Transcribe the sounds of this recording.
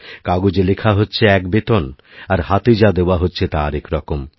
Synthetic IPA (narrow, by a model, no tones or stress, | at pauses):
kaɡod͡ʑelekʰaɦotːɕʰeɛkbet̪on | aɾhat̪id͡ʑad̪eoaɦotːɕʰet̪aaɾɛkɾɔkom